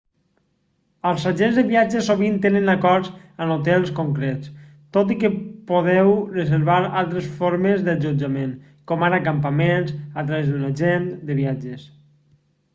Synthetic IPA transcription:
əlˠzaʒenzðəβiad͡ʒəsoβint̪enənakɔɾzənot̪ɛlˠskoŋkɾɛt͡s | t̪ot̪̬ikəpoðɛwrəzəɾβaɾalˠt̪ɾesfoɾmezðəd͡ʒud͡ʒamẽŋ | kɔmaɾakampamenzat̪ɾaβezðunaʒend̪əβiad͡ʒes

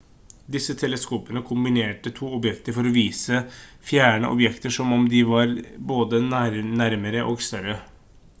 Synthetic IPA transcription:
d̪ɪsːət̪ʰɛləskuːpənəkʰʊmbɪneːʈət̪ʰuːɔbjɛkt̪əɾfɔɾɔʋiːsəfjæːɳə̰ʔɔ̰bjɛkt̪əʂɔmɔmd̪ɪʋɑɾboːd̪ənæɾnæɾməɾəʔoɡst̪œɾə

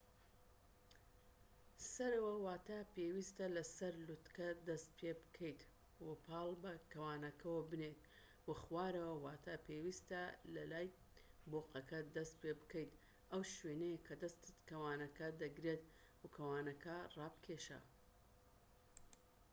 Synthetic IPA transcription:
sɐɾɐwɐwaːt̪apewist̪ɐlɐsɐɾlut̪kɐd̪ɐst̪̚pʰebkʰɐjt̪ | wɐpʰɑːlˠbɐkɐwaːnɐkʰɐwɐbɨneːt̪̚ | wɐxwaːɾɐwɐwaːt̪ʰapʰewist̪ɐlɐlaːj | boːqɐkɐd̪ɐst̪̚pebɨkɐjt̪ | ʔɐwʃwenejkʰɐd̪ɐst̪ɨt̪kɐwaːnɐkɐd̪ɐɡɾet̪ | wɐkʰɐwaːnɐkʰɐrɑːbkʲʰeːʃa̰

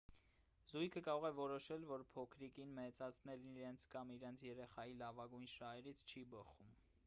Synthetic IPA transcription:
zujkʰəkɑɾɔʁɛvɔɾɔʃɛlvɔɾpʰɔkʰɾikinmɛt͡sɑt͡sʰnɛlniɾɛnt͡sʰkɑmiɾɛnt͡sʰjɛɾɛχɑjilɑvɑɡujnʃɑɦɛɾit͡sʰt͡ʃʰibəχum

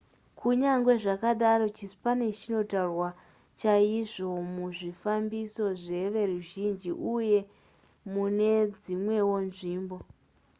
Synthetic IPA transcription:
kʰuɲaŋɡwe̞ʐakaɗaɾo̞t͡ʃispane̞t͡ʃino̞tarwa | t͡ʃaiʐo̞muʐifambiso̞ʐe̞ʋe̞ruʒind͡ʒiʔuje̞ | mune̞d͡zimwe̞wo̞nʐiːmbo̞

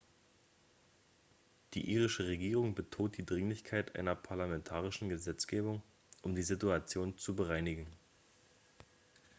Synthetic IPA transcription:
d̥ḭːʔiːʁɪʃəʁeɡiːʁʊŋbətʰoːt̚d̥iːdʁɪŋlɪçkʰaɪtʔa̰ɪnɐpʰaɐlamɛntʰaːʁ̞ɪʃn̩ɡəzɛt͡sɡ̥eːbʊŋ | ʔʊmdiːzɪtuat͡sjoːnt͡subəʁaɪnɪɡŋ̩

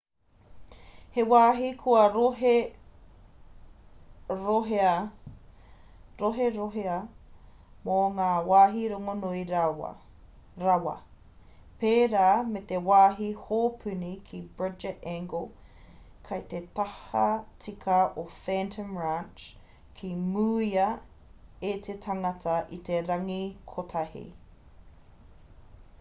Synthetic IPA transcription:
hewaːɦikʰuɐɾoɦe | ɾoɦeɐ | ɾoɦeɾoɦeɐ | moŋaːwaːɦiɾoŋonoiɾawɐ̰ | ɾɐwɐ̰ | peːɾaːmet̪ewaːɦihoːpʰʉnikʰibɹɪd͡ʒɛtɛ̃ŋɡolˠ | kʰɐjt̪et̪ɐhɐt͡sikʰɐʔofɛntʰə̃mɹant͡ʃ | kʰimuːiɐ | et̪ʰetʰɐŋɐtʰɐʔit̪eɾɐŋikʰotʰahḭ

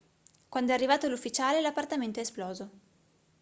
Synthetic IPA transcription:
kwand̪oɛarːivaːt̪olufːit͡ʃaːlelapːart̪ament̪oɛsplɔːzo

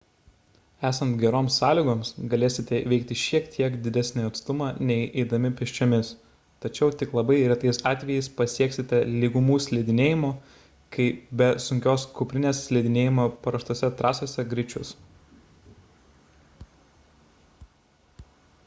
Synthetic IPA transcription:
æːsɐnt̪ɡʲɛɾoːmsːɑːlʲiːɡoːmsɡɐlʲeːsʲɪt̪ʲɛʋʲɛɪkt̪ʲɪʃʲiɛkt̪ʲʰiɛkd̪ʲɪd̪ʲæsʲnʲɪɐt̪st̪ʊmɑːnʲɛɪʔɛɪd̪ɐmʲɪpʲɛʃʲt͡ʃʲoːmʲɪs | t̪ɐt͡ʃʲɛʊt̪ʲɪklˠɐbɐɪɾʲɛt̪ɐɪsɑːt̪ʲʋʲɛjɛɪspɐsʲiɛksʲɪt̪ʲɛlʲiɡʊmuːsʲlʲɛd̪ʲɪnʲeːjɪmoː | kɐɪbʲɛsʊŋʲkʲoːskʊpʲɾʲɪnʲeːssʲlʲɛɪd̪ʲɪnʲeːjɪmoːpɐɾɐʃt̪oɔsʲɛt̪ɾʔɑːsoːsʲɛɡɾʲɪt͡ʃʲʊs

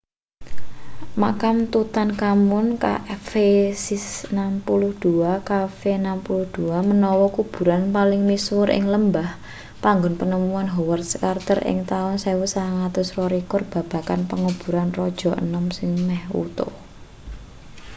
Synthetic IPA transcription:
makamt̪ut̪ankamʊnka̰ʔfesisnampulʊhd̪̥uakafenampulʊhd̪̥uamənɔwɔkub̥ṳɾanpalɪŋmiswʊɾʔɪ̰ŋləmbah | paŋɡʊnpənəmuanɦɔwart̪̚skart̪ərʔɪ̰ŋt̪aʊnsewusaŋat̪ʊsrɔɾikɔrb̥ä̤b̥a̤kanpəŋub̥ṳɾanrɔd̥ʒ̥ɔ̤ʔə̰nəmsɪŋmɛhṵt̪ʊ̰

